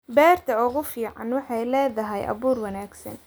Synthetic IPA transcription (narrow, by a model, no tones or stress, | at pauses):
bɛːrt̪ʰɐʊɣʊfiːʕɑ̰nwɑħɑjlɛːðɐɦɛjʔɐ̰βuːrwɑnaːɡsɐ̰n